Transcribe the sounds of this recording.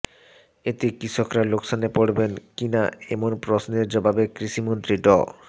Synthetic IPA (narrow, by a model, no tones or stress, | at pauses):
et̪ekɾiʃʰokɾaloksonepoɽbenkinaḛmonpɾosneɾd͡ʑɔbabekɾiʃimont̪ɾiɖɔ̰